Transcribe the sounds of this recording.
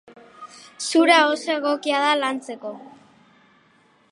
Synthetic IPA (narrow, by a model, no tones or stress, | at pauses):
suɾaosoeɣ̞o̞kiað̞alant͡se̞ko̞